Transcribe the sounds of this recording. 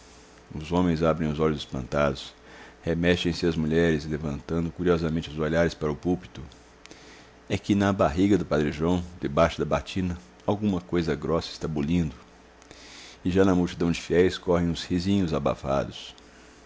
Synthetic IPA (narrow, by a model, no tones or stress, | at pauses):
ʊzõmẽj̃zabɾẽj̃ʊzɔʎʊzɪspɐ̃nt̪ad̪ʊs | hemɛʃt͡ʃẽj̃sɪɐzmuʎɛɾɪzlevɐ̃nt̪ɐ̃nd̪ʊkuɾiɔzɐmẽnt͡ʃɪʊzoʎaɾɪspaɾɐʊpuwpi̥t̪ʊ | ɛkɪnɐbaɦiɡɐd̪ʊpad̪ɾiʒɐ̃w̃d̪ɪbaʃʊd̪ɐbat͡ʃĩnɐ | awɡũmɐkojzɐɡɾɔsɐɪ̥st̪abolĩnd̪ʊ | ɪʒanɐmuwt͡ʃid̪ɐ̃w̃d͡ʒɪfiɛjskɔɦẽj̃ʊ̃shizĩɲʊzaba̰fa̰d̪ʊs